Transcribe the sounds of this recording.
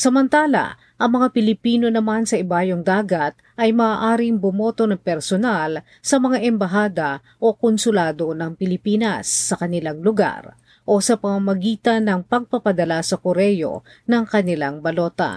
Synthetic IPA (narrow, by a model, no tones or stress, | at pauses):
sɐmɐnt̪aːlɐ̰ | ʔɐŋmɐŋapɪlɪpiːno̞nɐmansɐʔɪbaːjoŋd̪aːɡɐt̪̚ʔɐjmɐːʔaːɾɪŋbʊmo̞ːt̪o̞nɐŋpɛɾsonal | sɐmɐŋaʔɛmbɐɦaːd̪ɐ | ʔo̞konsʊlaːd̪o̞nɐŋpɪlɪpiːnɐsːɐkɐnɪlaŋlʊɡa̰ɾ | ʔo̞sɐpɐmɐmɐɡiːt̪ɐnɐŋpɐɡ̚pɐpɐd̪ɐlasɐkʊɾɛjo̞̰ | nɐŋkɐnɪlaŋbɐlo̞ːt̪ɐ̰